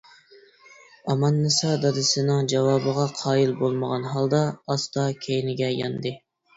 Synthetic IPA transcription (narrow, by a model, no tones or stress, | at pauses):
ɑmɑnːɨsɑd̪ɑd̪ɨsɨnɨŋd͡ʒɑwɑːbəʁɑqʰɑːjilbolˠməʁɑnɦɑlˠd̪ɑɑst̪ɑkʲʰejnɪɡʲɛjɑ̰nd̪ɨ